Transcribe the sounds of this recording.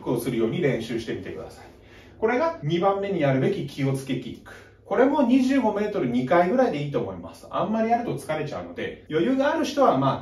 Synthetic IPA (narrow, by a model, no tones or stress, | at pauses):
kɯo̞sɨɾɯ̟jo̞ːɲ̟iɾẽ̞ɕɨːɕi̥t̪e̞mʲit̪e̞̰kɯ̟d̪asai | ko̞ɾe̞ɡaɲ̟ibãmːe̞ɲ̟ijaɾɯ̟be̞kʲikʲʰio̞t͡sɨ̥ke̞t̪ʲiḭkɯ̟̥ | ko̞ɾe̞mo̞ɲ̟iʑɨːɡo̞me̞ːt̪o̞ɾɯ̟ɲ̟ikaiɡɯ̟ɾaid̪e̞iːt̪o̞ːmo̞ima̰sɨ̥ã̰mːaɾʲiaɾɯ̟t̪o̞t͡sɨ̥kaɾe̞t͡ɕa̰ɯ̟no̞d̪e̞̰jo̞jɯ̟ːɡaːɾɯ̟ɕi̥t̪o̞β̞amaː